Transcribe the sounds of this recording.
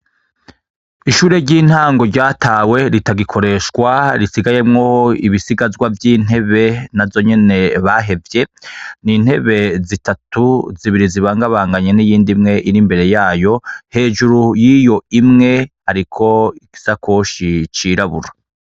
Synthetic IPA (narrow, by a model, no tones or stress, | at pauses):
iʃuːɾe̞ɾɟiːn̥haːŋɡo̞ɾɟaːtʰaːwe̞ɾitaɡikʰo̞ɾe̞ʃkwaɾisiɡaje̞mŋoiβisiɡazɡwavjiːn̥e̞βe̞navzo̞ɲe̞ne̞βaɦe̞vje̞nin̥he̞βe̞zitatʰuziβiɾiziβaːŋɡaβaːŋɡaɲe̞nijiːndimŋe̞ʔiɾimbe̞ɾe̞jaːjo̞he̞ːʒuɾujiːjo̞imŋe̞haɾikʰo̞iki̥sakʰoʃit͡ʃiːɾaβuɾa